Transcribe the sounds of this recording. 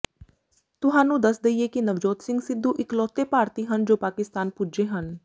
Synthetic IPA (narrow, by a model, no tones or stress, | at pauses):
t̪ʊɦãːnũːd̪əsd̪əieːkɪnəʋd͡ʒoːt̪sɪŋɡsɪd̪ʱːuːʔɪklɔːt̪eːpaːɾt̪iːɦənd͡ʒoːpaːkɪst̪aːnpuːd͡ʒeːɦən